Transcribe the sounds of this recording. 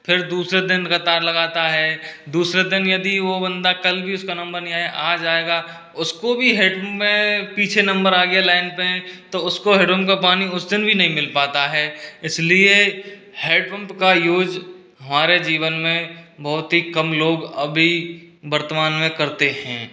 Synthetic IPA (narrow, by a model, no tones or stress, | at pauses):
pʰɪɾd̪uːsɾed̪ɪnkɐt̪aːɾlɐɡaːt̪aɦɛːd̪uːsɾed̪ɪnjɐd̪iʋobɐ̃nd̪akɐlbʱiʊskanɐ̃mbəɾnĩaeʔaːd͡ʒaːeːɡaː | ʊskobʱiɦeːɖpɐmpmẽpiːt͡ʃʰenɐ̃mbəɾaːɡjalaːɪnpet̪oʊskoɦeɖõmkapaːniʊsd̪ɪnbʱinɐɦĩmɪlpaːt̪aɦɛːɪslie | heːɖ̚pɐ̃mpkajoːd͡ʒ | ɦɐmaːɾed͡ʒiːʋənmẽbɔːt̪ɦikɐmloːɡɐbʱi | bɐɾt̪əmaːnmẽkɐɾt̪eɦɛ̰̃ː